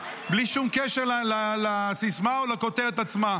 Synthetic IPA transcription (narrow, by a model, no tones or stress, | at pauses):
bliʃumkeʃeʁlallasismaolako̞t̪eʁet̪at͡sma